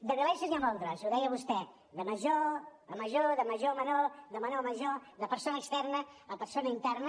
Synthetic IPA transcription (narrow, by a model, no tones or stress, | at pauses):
d̪əɾɾəβɛjsuniamalˠt̪ɾasuwðɛjəβust̪ɛ | ðəməʒoəməʒoðəməʒomənod̪əmənoməʒod̪əpəɾsonəːkst̪ɛrnələpəɾsonəint̪ɛrnə